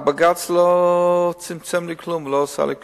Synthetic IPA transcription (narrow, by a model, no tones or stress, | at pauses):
baɡat͡slo | t͡sɪmt͡sɛmliklumloːsa̰lik